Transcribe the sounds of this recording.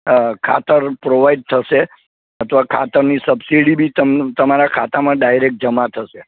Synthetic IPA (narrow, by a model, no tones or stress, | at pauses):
kʰa̰t̪əɾpɾoʋaiɖ̚t̪ʰəʃe | ət̪ʰʋakʰa̰t̪əɾnisəbsiɽibʱit̪ət̪əmaɾakʰat̪amãɖajɾek̚ʈ̚d͡ʒəmat̪ʰəʃe